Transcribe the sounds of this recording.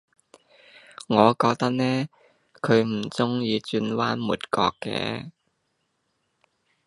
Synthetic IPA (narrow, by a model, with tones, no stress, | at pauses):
ŋɔː˨˧kɔː˧k̚t̪ɐ˥k̚nɛː˥ | kʰɵ˨˧ɥm̩˨˩t͡sʊ˥ŋjiː˨˧t͡ʃyː˧nwaː˥nmṵː˨˩t̚kɔ̰ː˧kːɛ̰ː˧˥